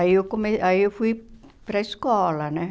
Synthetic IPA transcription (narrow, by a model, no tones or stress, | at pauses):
ijokkomeɑijofip | preskɑːlɑnæ